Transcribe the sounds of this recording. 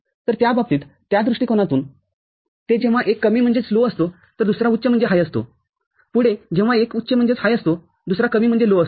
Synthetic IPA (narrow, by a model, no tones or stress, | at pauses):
t̪əɾt̪jabab̚t̪iːt̪t̪jad̪ɾuʂʈiːkoɽ̃at̪uːn | t̪ed͡ʑẽʋ̤aʔekːəmiːm̤əɳd͡zet͡sloəst̪o | t̪əɾd̪usɾaut̪ːɕəm̤əɳd͡zeɦajəst̪o̰ | puɽed͡ʑẽʋ̤aekut̪ːɕəm̤əɳd͡zet͡shajəst̪o | d̪usɾakəmiːm̤əɳd͡zeloəs